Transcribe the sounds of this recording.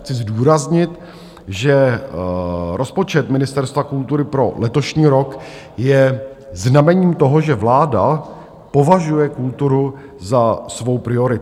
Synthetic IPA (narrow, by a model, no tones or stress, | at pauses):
xt͡sɪzduːɾazɲɪt̪ | ʒɛ | ɾo̞spo̞t͡ʃɛt̪mɪnɪst̪ɛɾst̪vakult̪uɾɪpɾo̞lɛt̪o̞ʃɲiːɾo̞k | jɛznamɛɲiːmt̪o̞ɦo̞ʒɛvlaːda | po̞vaʒujɛkult̪uɾu | zasvo̞wpɾɪo̞ɾɪ